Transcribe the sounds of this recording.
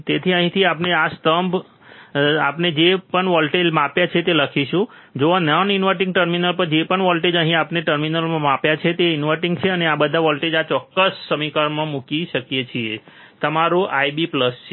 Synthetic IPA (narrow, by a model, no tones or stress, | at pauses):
t̪et̪ʰiə̃ɦĩt̪ʰiapneast̪əmb | apned͡ʒepəɳʋɔlʈelmapjat͡ʃʰet̪eləkʰiʃũ | d͡ʒoanɔninʋəɾʈĩŋɡʈəɾminəlpəɾd͡ʒepəɳʋɔlʈed͡ʒəɦĩapneʈəɾminəlmãmapjat͡ʃʰet̪einʋəɾʈĩŋɡt͡ʃʰeəneabəd̪ʱaʋɔlʈed͡ʒat͡ʃɔkːəsːəmikaɾmãmukiʃəkjet͡ʃʰie | t̪əmaɾoʔaibipləst͡ʃʰ